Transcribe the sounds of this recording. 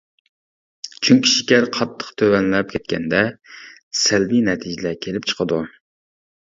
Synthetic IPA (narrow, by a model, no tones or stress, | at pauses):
t͡ʃʰyŋkʲiʃi̥kʲæɾqʰɑt̪ʰːə̥qt̪ʰøwɛnlɛp̚kʲʰɛt̪̚kʲʰɛnd̪ɛ | sælbinɛt̪ʰid͡ʒɪlɛkʲʰelɪp̚t͡ʃʰə̥qʰəd̪u